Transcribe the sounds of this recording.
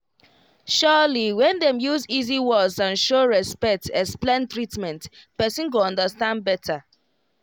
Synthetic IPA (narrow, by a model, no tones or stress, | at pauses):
ʃɔliwɛ̃ndɛ̃mjuziziwɔzãnʃoɹɛspɛk̚tʰɛsplẽntɹitmɛ̃ntpɛsĩnk̬uɔ̃ndəstãn̚bɛtʰa